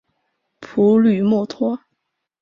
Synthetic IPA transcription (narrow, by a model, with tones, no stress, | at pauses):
pʰu˧˥ly˨˩mɔ˥˩t̪ʰwɔ˥